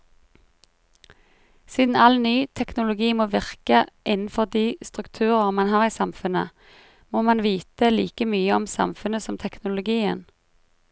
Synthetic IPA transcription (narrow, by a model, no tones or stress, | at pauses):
siːd̪n̩ɑlnyːt̪ʰɛknʊlʊɡiːmoːʋɪʁkəʔɪnn̩fɔʁd̪iːst̪ʁʉkt̪ʰʉːʁəʁmɑnɦhɑːʁiːsɑmfʉnə | moːmɑnʋiːt̪əlḭːkəmyːəɔmsɑ̰mfʉnəsɔmt̪ʰɛknʊlʊɡiːə̰n